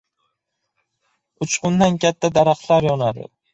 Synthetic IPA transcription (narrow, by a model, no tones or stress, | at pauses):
ʊt͡ʃqʊnd̪ankʲʰat̪ʰːad̪aɾaχlˠaɾjɒnad̪ɪ̰